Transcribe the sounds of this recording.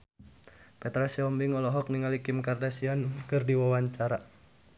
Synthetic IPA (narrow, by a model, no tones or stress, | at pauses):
pɛt̪ɾasiɔmbiŋɔlɔɦɔk̚niŋalikɪmkardasiɔnkɨrdiwawaɲt͡ʃaɾa